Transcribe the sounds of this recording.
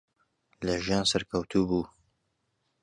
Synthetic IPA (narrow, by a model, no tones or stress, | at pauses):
lɐʒijaːnsɐɾkʰɐwt̪ʰubuː